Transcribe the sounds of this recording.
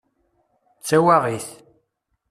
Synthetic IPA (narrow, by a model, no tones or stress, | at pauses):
t͡sːæwaʁiθ